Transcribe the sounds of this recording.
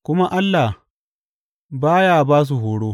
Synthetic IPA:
kʷʊ˦ma˦ʔa˦lːa˨h | baː˦jaː˦˨baː˦s̬u˨ɦoː˨ɽoː˦

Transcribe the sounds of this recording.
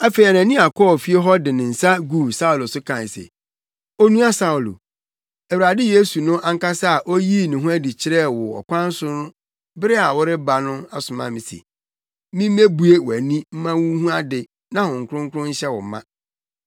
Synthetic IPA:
a˦fe˨i˨a˨nã˨nĩ˦a˨kʰɔ˦˨fi˦e˦ɦɔ˦dɪ˨nɪ̃˨n̩˨sa˦ɡu˦˨sa˦ʊ˨lo˨sʊ˦kʰã˨n˨sɛ̰˨ | o˦nũ˦a˦sa˦ʊ˨lo̰˨ | æ˨wu˨ɾa˨dɪ˦je˦su˨nʊ̃˦ʔa˦ŋ̩˦ka˦sa˦a˨ʔo˦ji˦˨nɪ̃˨ɦʊ̃˦æ˦di˨t͡ɕʰɪ˦ɾɛ˦˨wɔ˨ɔ̰˨kʷʰã˦n̩˦sʊ˦nʊ̃˦ | bɪ˦ɾɪ˦a˨wʊ˦ɾɪ˦ba˨nʊ̃˦a˨sʊ˨mã̰˦mĩ˨sḛ˨ | mĩ˦m̩˦me˦bu˦e˦wæ˨nĩ˦m̩˦mã˦wũ˦hũ˦a˦dɪ˨ | nã˦hʊ̃˨ŋ˨kʰʊ̃˦ŋ˦kʰʊ˦ɾʊ̃˦ɲ̩˦ɕɛ˦wɔ̰˨˦mã̰˦

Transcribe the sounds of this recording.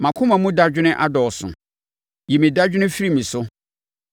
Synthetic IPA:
mã˨kʰʊ̃˦mã˨mũ˦da˦d͡ʑᶣɪ˦nɪ̃˦ʔa˦dɔ˨sʊ̰̃˨ | ji˨mĩ˨da˦d͡ʑᶣɪ˦nɪ̃˦fi˦ɾi˦mĩ˨sʊ˦

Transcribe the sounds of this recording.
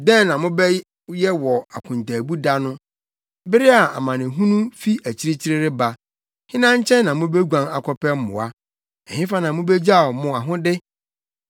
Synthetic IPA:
dɛ̃˦n˨nã˨mʊ̃˦bɛ˦ | jɛ˦wɔ˨a˨kʰʊ̃˨n˨tʰa˨bu˦da˦nʊ̃˦ | bɪ˦ɾɪ˦a˨a˨mã˨nɪ̃˨ɦũ˦nũ˦fi˦ʔæ˨t͡ɕʰi˦ɾe˦t͡ɕʰi˦ɾe˦ɾɪ˦ba˨ | hɪ̃˦nã˦ɲ˦t͡ɕʰɛ̃˦nːã˨mʊ̃˦be˦ɡʷã˨ŋa˨kʰɔ˦pʰɛ˦m̩˦mʊ̰̃˨a˦ | ɛ˨hɪ̃˦fa˦nã˨mʊ̃˦bɛ˦d͡ʑa˦˨mʊ̃˨a˨ɦʊ̃˦dɪ˦

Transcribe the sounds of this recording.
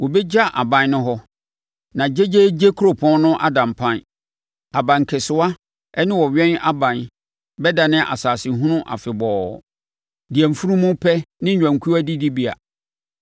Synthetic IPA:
wɔ˨bɛ˦d͡ʑa˦ʔa̰˨bã˨n˦nʊ̃˦ɦɔ˦ | nã˨d͡ʑe˦d͡ʑe˦d͡ʑe˦kʰu˦ɾo˨pʰɔ̃˦nnʊ̃˦ʔa˦dã˨mpʰã˦n | a˨bã˨ŋ˨kʰɪ˨sʊ˦a˦ | ɛ˦nɪ̃˦wɔ˨ɥɛ̃˦na˦bã˨n | bɛ˦da˨nɪ̃˦ʔa̰˨saː˨sɪ˨ɦʊ̃˦nʊ̃˦ʔa̰˨fɪ˨bɔː˨ | di˨ɛ˨m̩˨fu˦ɾũ˦mʊ̃˦pʰɛ˦nɪ̃˦˨ã˨ŋ˨kʰu˦a˦di˦di˦bi˦a̰˨

